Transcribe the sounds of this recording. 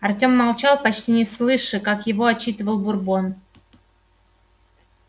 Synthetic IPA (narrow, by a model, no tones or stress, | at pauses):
ɐrtʲo̞mːɐlˠt͡ɕalˠpɐt͡ɕtʲinʲɪslˠɨʂɨkakjɪvo̞ɐt͡ɕːit̪ɨvəlˠbʊrbo̞n